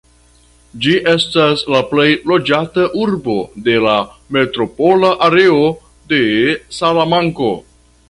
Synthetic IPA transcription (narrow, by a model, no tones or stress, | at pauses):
d͡ʒiʔe̞staslaple̞jlo̞d͡ʒataʔuɾbo̞de̞lame̞tɾo̞po̞laʔaɾe̞o | de̞salamaŋko̞̰